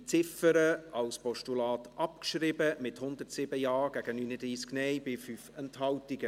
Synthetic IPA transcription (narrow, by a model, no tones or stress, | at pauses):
t͡sɪfəɾəɑlspɔʃtulɑːt̪ʔɑpkʃɾɪbəmɪthʊnd̪ərtsɪbəjɑːɡ̥æɡənyːnədɾiːsknɛjbɪfyfɛnthɑltɪɡə